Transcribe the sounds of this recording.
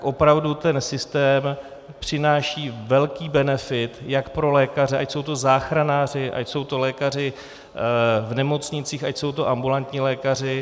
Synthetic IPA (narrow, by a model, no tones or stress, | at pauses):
kʔo̞pɾavdut̪ɛnsɪst̪ɛːm | pr̝̥ɪnaːʃiːvɛlkiːbɛnɛfɪt̪jakpɾo̞lɛːkarɛʔacso̞wt̪o̞zaːxɾanaːr̝ɪʔa̰cso̞wt̪o̞lɛːkar̝ɪ | vnɛmo̞t͡sɲɪt͡siːxacso̞wt̪o̞ʔambulant̪ɲiːlɛːkar̝ɪ